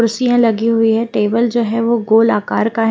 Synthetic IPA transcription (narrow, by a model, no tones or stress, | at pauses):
ʊɾsijãlɐɡiɦʊiɦɛʈeːbəld͡ʒoːɦɛʋoɡoːlaːkaːɾkaɦ